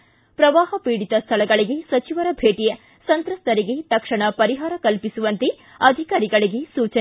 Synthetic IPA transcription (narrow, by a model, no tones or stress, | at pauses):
pɾɐʋaːɦɐpiːɽit̪ɐst̪ʰɐlɐɡɐɭiɡe̞sɐt͡ʃiʋɐɾɐbʱeːʈijɐ | sɐnt̪ɾɐst̪ɐɾiɡet̪ɐkʂɐɳɐpɐɾiɦaːɾɐkɐlpisuʋɐnt̪e | ɐd̪ʱikaːɾiɡɐɭiɡe̞suːt͡ʃɐ